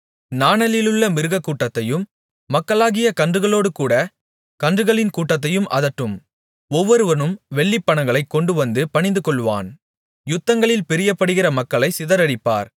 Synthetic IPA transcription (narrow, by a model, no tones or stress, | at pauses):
naːnɐlɪlɯɭːɐmɪɾɯɣɐkːuːʈːɐt̪ːɐjɯmː | ɐkːɐɭaːɣɪjɐkɐndrɯɣɐɭoːɽɯkuːɽɐ | kɐndrɯɣɐɭɪnkuːʈːɐt̪ːɐjɯmʔɐ̰ðɐʈːɯm | ɔʋːɔɾɯʋɐnɯmʋɛɭːɪpːɐɳɐŋɡɐɭɐɪkːɔɳɖɯʋɐnd̪ɯpɐɳɪnd̪ɯkɔɭʋa̰ːn | jʊt̪ːɐŋɡɐɭɪlpɪɾɪjɐpːɐɽɯɣɪrɐmɐkːɐɭɐɪsɪðɐɾɐɽɪpːa̰ːɾ